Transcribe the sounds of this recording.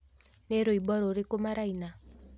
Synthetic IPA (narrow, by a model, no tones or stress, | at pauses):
neɾoibɔɾoɾekomaɾaina